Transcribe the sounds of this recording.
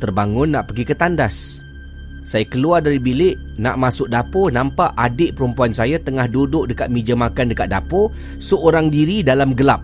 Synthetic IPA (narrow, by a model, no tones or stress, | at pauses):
t̪ərbaŋʊnːaʔpəɡikət̪andasː | ajakəluardaɾibilɪʔ | na̰ʔmasʊk̚daponampaʔadɪʔpəɾumpuansajat̪əŋahdudʊʔ̚dəkat̪̚mid͡ʒəmakandəkat̪̚dapo | səoɾaŋdiɾidalamɡəlap̚